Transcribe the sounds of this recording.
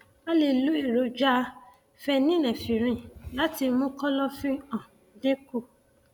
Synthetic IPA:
a˦le˦˧lu˨˦i˦˨ɾo˨˦d͡ʒa˦ | fɛ˧nĩ˦lɛ̃˨fi˨ɾ̃ĩ˧˨la˨˦ti˧mũ˦kɔ˦lɔ˦fĩ˦ã˨ | dẽ˦ko˦˨

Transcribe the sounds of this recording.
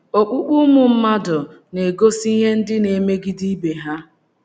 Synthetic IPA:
o˨k͡pu˦k͡pu˦mʊ˨m̩˦ma˦dʊ˨ | ne˨ɡo˦si˦ɦe˦n̩˦dɪ˦ne˨me˦ɡi˦di˦be˨ɦa˦

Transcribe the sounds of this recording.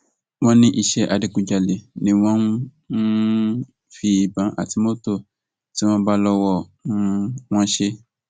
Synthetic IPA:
w̃ɔ̃˦nĩ˦ʔi˧ʃɛ˦ʔa˧di˨kũ˧d͡ʒa˨le˨nĩ˨˦w̃ɔ̃˦n˦ | fi˧˦i˨bã˨˦ʔa̰˨ti˨˧mo˦to˦˨ | ti˦w̃ɔ̃˦ba˧lɔ˧wɔ˧˦ | w̃ɔ̃˦ʃe˦

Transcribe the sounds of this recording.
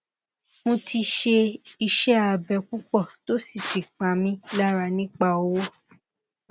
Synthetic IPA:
mõ˧tʰi˧ʃe˧i˧ʃɛ˦a˨bɛ˧˨ku˦k͡pɔ˦˨to˦si˦˨ti˨k͡pã˨mĩ˧la˦ɾa˧nĩ˦k͡pa˧˨o˦wo˦

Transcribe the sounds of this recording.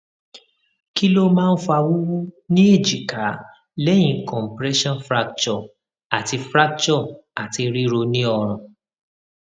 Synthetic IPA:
ki˦lo˦mãː˦˧n̩˦fa˧wu˦wu˦nĩ˦e˦˨d͡ʒi˨ka˨˦ | lɛ˦j̃ĩ˧kɔ̃˨m̩˨pɾɛ˦ʃɔ̃˦nfɾa˧k̚t͡ʃɔ˨ | a˨ti˧fɾa˦k̚t͡ʃɔ˦˨a˨ti˧ɾi˦ɾo˧nĩ˦ɔ˧ɾ̃ã˨

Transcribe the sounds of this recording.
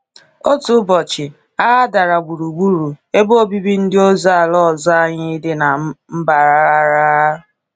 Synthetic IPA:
o˦tu˨˦bɔ˨t͡ʃɪ˨ | a˦a˦da˨ɾa˨ɡ͡bu˨ɾu˨ɡ͡bu˦ɾu˨e˦bo˦o˦bi˦bi˦n̩˦dɪ˦o˦za˦a˨lɔ˦˨za˦a˦ɲɪ˦dɪ˦na˨m̩˦ba˨ɾa˦a˦ɾa˦˨

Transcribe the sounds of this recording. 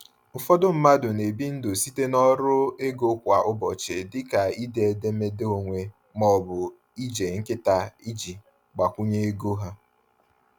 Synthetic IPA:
ʊ˨fɔ˦dʊ˦m̩˦ma˦dʊ˨ne˨bi˦n̩˦do˨si˦te˦nɔ˦ɾʊ˦e˦ɡo˦kʷa˨ʔʊ˦bɔ˨t͡ʃɪ˨dɪ˦ka˨i˦de˦˨e˨de˦me˦do˨ŋʷe˨ | mɔ˦˨bʊ˨ | i˦d͡ʒe˨ŋ̩˦kɪ˦ta˨i˦d͡ʒi˨ | ɡ͡ba˨kʷu˦ɲe˦e˦ɡo˦ɦa˦

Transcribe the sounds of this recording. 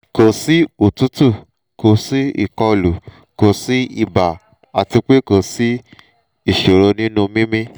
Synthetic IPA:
ko˨si˦o˨tu˦tu˦˨ | ko˨si˦ḭ˦˨kɔ˧˨lu˨ | ko˨si˦i˦˨ba˨ | a˨ti˧k͡pe˦˨ko˨si˦ | i˦˨ʃo˨ɾo˧nĩ˦nũ˧mĩ˦mĩ˦

